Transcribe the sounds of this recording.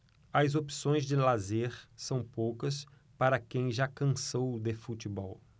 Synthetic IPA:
ɐzopi̥sõj̃zd͡ʒɪlazeɾsɐ̃w̃powkɐs | paɾɐkẽj̃ʒakɐ̃sowd̪efut͡ʃibɔw

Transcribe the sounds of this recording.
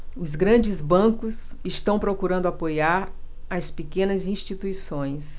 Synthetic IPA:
ʊzɡɾɐ̃d͡ʒɪzbɐ̃kʊsɪst̪ɐ̃w̃pɾokuɾɐ̃nd̪ʊapojaɾ | ɐspekẽnɐzĩʃt͡ʃit̪uisõj̃s

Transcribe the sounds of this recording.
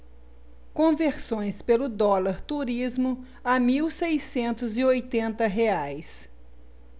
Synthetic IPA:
kõveɾsõj̃spelʊd̪ɔlaɾt̪uɾizmʊ | amiwsejsẽnt̪ʊzɪojt̪ẽnt̪ɐɦeajs

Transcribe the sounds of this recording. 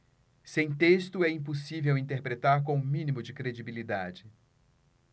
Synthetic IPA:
sẽj̃t̪est̪ʊɛĩposivewĩnt̪eɾpɾet̪aɾk̬õʊ̃mĩnimʊd͡ʒɪkɾed͡ʒibilid̪ad͡ʒɪ

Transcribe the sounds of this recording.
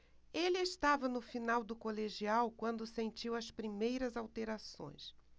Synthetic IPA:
elɪest̪avɐnʊfinawd̪ʊkoleʒiawkwɐ̃nd̪ʊsẽnt͡ʃiwɐspɾimejɾɐzawt̪eɾasõ̰j̃s

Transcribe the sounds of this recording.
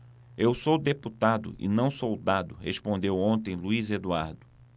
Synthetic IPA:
ewsowd̪eput̪ad̪ʊ̰ʔɪ̰nɐ̃w̃sowd̪ad̪ʊhespõnd̪ewõnt̪ẽj̃luized̪uaɾd̪ʊ

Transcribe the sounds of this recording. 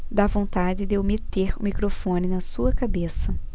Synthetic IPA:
d̪avõnt̪ad͡ʒɪd̪ewmet̪eɾũmikɾofõnɪnɐsuɐkabesɐ

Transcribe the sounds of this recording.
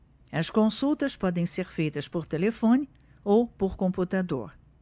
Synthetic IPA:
ɐskõsuwt̪ɐspɔd̪ẽj̃seɾfejt̪ɐspoɾt̪elefõnɪ | owpoɾkõmput̪ad̪o̰ɾ

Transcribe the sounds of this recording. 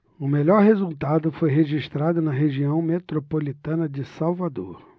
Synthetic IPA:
ʊmelɔɾɦezuwt̪ad̪ʊfojɦeʒiʃt̪ɾad̪ʊnɐɦeʒiɐ̃w̃met̪ɾopolit̪ɐ̃nɐd͡ʒɪsawvad̪oɾ

